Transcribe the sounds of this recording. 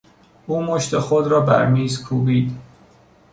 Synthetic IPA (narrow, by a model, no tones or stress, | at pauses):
ʔuːmoʃt̪exod̪ɾɒːbæ̰ɾmiːzkʰuːbiːd̪